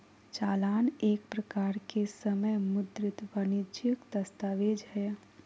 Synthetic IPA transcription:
t͡ʃaːlaːneːkpɾəkaːɾkesəməjmʊd̪ɾɪt̪ʋənɪd͡ʒjəkd̪ɐst̪aːʋeːd͡ʒhɛː

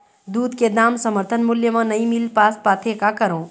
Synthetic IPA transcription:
d̪uːd̪ked̪aːmsɐməɾt̪ʰənmʊljəmãnɐĩmɪlpaːspaːt̪ʰekakɐɾõː

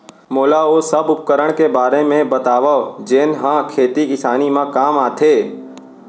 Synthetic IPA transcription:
moːlaosəbʊp̚kəɾəɳ̃kebaːɾemẽbət̪aʋaʋd͡ʒenɦãkʰeːt̪ikɪsaːnimãkaːmat̪ʰe

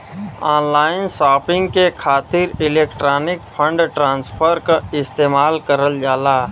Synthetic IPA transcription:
aːnlaːɪnsaːpɪ̃ŋɡkekʰaːt̪ɪɾɪleːkʈɾaːnɪkpʰə̃ɳɖʈɾãːnspʰəɾkaɪst̪eːmaːlkəɾəld͡ʒaːlaː

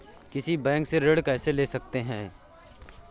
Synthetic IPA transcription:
kɪsibɛ̃ːŋkseɾeɽkɛːseleːsɐkt̪eɦɛ̃ː

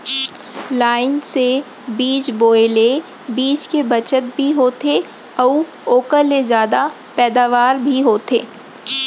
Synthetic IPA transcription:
laːɪnse | biːt͡ʃboːele | biːt͡ʃkebɐt͡ʃət̪̚bʱiɦoːt̪ʰe | ɔː | oːkəɾːezjaːd̪a | pɛːd̪aːʋaːɾbʱiɦoːt̪ʰḛː

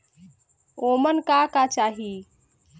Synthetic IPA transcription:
omənkakat͡ʃaɦi

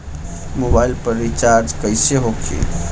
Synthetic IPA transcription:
mobailpəɾːit͡ʃaɾd͡ʒkəjseɦokʰḭ

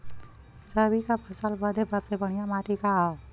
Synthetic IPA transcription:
ɾəbikapʰəsalbəd̪ʱebab̚t̪ebəɽ̃ijamaːʈika

